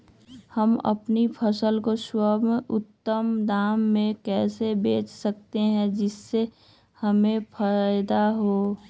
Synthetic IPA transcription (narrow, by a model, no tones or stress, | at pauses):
həmɐ̰pnipʰəsəlkoswəmʔʊt̪ːəmd̪aːmːẽkɛːsebeːt͡ʃsək̚t̪eɦɛ̃d͡ʒɪsːe | hɐmẽpʰaːjd̪aɦoː